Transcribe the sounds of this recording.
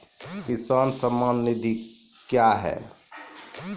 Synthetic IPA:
kɪsaːnsəmːaːnːɪd̪ʱi | kjaɦɛ̰ː

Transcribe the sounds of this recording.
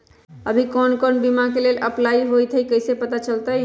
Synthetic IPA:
əbʱikɔnkɔnbimakelelʔəplaiɦojt̪ʰəjkəjsepət̪at͡ʃəlt̪əj

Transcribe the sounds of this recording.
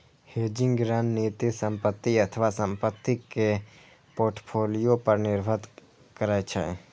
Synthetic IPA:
heːd͡ʒɪ̃ŋɡɾanːiːt̪isə̃mpət̪ːiət̪ʰəʋasə̃mpət̪ːike | poːɾʈpʰoːlijopəɾnɪɾbʱət̪ | kəɾaet͡ʃʰɛ̰

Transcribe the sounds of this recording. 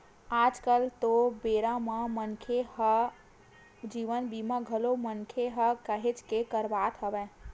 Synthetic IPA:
ad͡ʒkəlt̪obeɾaməmənkʰeh | d͡ʒiʋənbimaɡʱəlomənkʰeɦəkəɦet͡ʃkekəɾbat̪ɦəbɛ̃

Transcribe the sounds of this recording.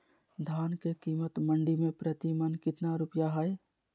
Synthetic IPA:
d̪ʱaːnkekiːmət̪məɳɖimẽpɾət̪imənkɪt̪naɾʊpjaɦəe

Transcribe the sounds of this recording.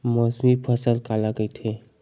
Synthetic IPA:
mɔsmipʰəsəlkalaɡəjt̪ʰe

